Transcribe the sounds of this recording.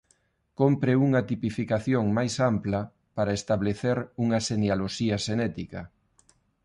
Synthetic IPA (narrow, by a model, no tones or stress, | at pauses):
kompɾeuŋɐt̪ipifikaθjoŋmajsamplɐ | paɾaest̪aβleθeɾuŋɐʃenealoʃiɐʃenɛt̪ikɐ̰